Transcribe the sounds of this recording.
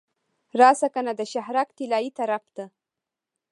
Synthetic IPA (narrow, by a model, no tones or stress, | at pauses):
ɾɑsakanad̪əʃahɾakt̪ilɑjit̪aɾaft̪ə